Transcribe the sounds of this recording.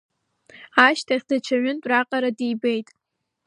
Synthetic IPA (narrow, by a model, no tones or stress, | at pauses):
aʃtʰaχʲdat͡ʃʰaɥɪntʼraqʼaɾadijbejtʼ